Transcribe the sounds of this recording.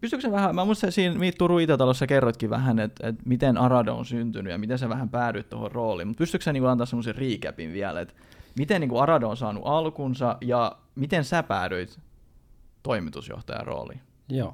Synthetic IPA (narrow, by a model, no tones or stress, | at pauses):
pyst̪yksæʋæhæmæmuist̪sæsiːnmiːt̪ːuruit̪æt̪ɑlosːækerːot̪kiʋæ̰ɦænet̪ḛt̪mit̪enɑrɑdɑo̰nsynt̪ynyjɑ̰mit̪ensæʋæhæmpæːɾøit̪t̪o̰ho̰rroːlḭːmut̪̚pyst̪yksæniːŋkuɑnt̪ɑːsemːoseriːkæ̰pinʋiælḛt̪ | mit̪enniːŋkuɑrɑdɑonsɑːnṵʔɑlkunsɑjɑ | mit̪ensæpæːɾøit̪ | t̪oimit̪usjo̰ht̪ɑ̰jɑ̰ro̰ːlḭn | joː